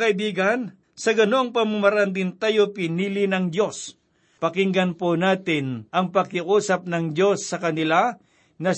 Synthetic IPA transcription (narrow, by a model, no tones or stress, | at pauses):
kɐɪbiːɡɐn | sɐɡɐno̞ɐŋpɐmumaɾaand̪ɪnt̪ajopɪniːlɪnɐŋd̪jo̞s | pɐkɪŋɡɐnponaːt̪ɪnʔɐŋpɐkɪʔuːsɐp̚nɐŋd̪jo̞sːɐkɐnɪla | nɐ